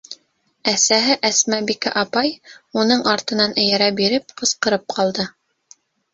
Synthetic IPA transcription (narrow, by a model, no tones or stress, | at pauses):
æsæɦɘʔæsmæbikæ̰ʔɑpɑjunɤɴʔɑɾt̪ɤ̆nɑnʔɘ̆jæɾæbiɾɘp̚qɤ̆sqɤ̆ɾɤp̚qʰɑlˠd̪ɤ